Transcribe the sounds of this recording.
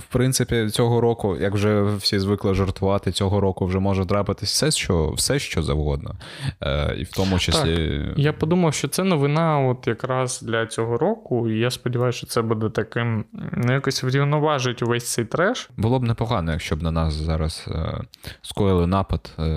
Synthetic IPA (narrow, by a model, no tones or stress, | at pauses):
wpɾɪnt̪sɪpʲit͡sʲɔɦɔɾɔkʊjʔɐkwʒɛwsʲizʋɪklˠɐʒɔrt̪ʊʋɑt̪ɪt͡sʲɔɦɔɾɔkʊwʒɛmɔʒɐd̪ɾɑpɪt̪ɪsʲsɛʃt͡ʃɔwsɛʃt͡ʃɔzɐ̰wɦɔd̪̚nɔ̰ | ḭwt̪ɔmʊt͡ʃɐt̪sʲlʲijapɔd̪umɐwʃt͡ʃɔt̪sɛnɔʋɪnɑɔt̪jɐkɾɑzd̪lʲɐt͡sʲɔɦɔɾɔkʊijaspɔdʲiʋɑjʊsʲt͡ʃɔt̪sɛbud̪ɛt̪ɐkɪmnɛjakɔsʲʋɾʲiwnɔʋɑʒɪtʲʊʋɛsʲt̪sɛjt̪ɾɛʃbʊlˠɔbnɛpɔɦɑnɔjɐkʃt͡ʃɔbnɐnɑszɑɾɐsskɔjɪlˠɪnɑpɐd̪̥